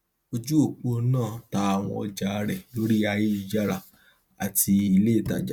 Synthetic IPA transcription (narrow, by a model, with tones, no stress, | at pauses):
o˧d͡ʒu˦o˦˨k͡po˧˦nãː˦˨ta˧a˨w̃ɔ̰̃˧ɔ˧d͡ʒa˨˧ɾɛ˨lo˦ɾi˦a˧ji˦˨d͡ʒa˦ɾa̰˨ | a˨ti˧i˧le˦˨ta̰˨d͡ʒa˦